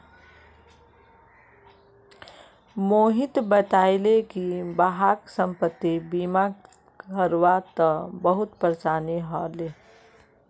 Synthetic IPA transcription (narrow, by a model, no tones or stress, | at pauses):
moːɦit̪bət̪aːɪlekibaɦaksə̃mpət̪ːibima | kəɾʋat̪əbəɦʊt̪pəɾsaːneɦɔle